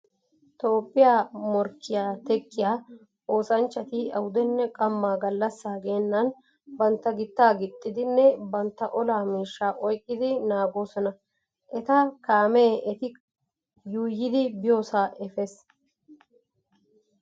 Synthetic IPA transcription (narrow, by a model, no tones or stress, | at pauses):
t̪o̞ːpʼːɪjaːmɔɾkːɪjaːt̪ɛkʼːɪjaː | o̞ːsɐnt͡ʃːɐt̪ɪɐwʊd̪ɛnːɛkʼɐmːaːɡɐlːɐsːaːɡeːnːɐn | bɐnt̪ːɐɡɪt̪ːaːɡɪt̪ʼːɪd̪ɪnːɛbɐnt̪ːɐʔɔlaːmiːʃːaːʔɔjkʼːɪd̪ɪnaːɡo̞ːsɔnɐ | ʔɛt̪ɐkaːmeːʔɛt̪ɪ | juːjːɪd̪ɪbɪjo̞ːsaːʔɛfeːs